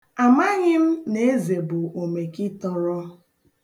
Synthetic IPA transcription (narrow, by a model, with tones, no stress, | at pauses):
a˨ma˦ɲɪ˦m̩˦ne˨e˦ze˨bʊ˨o˨me˨kɪ˦tɔ˦ɾɔ˦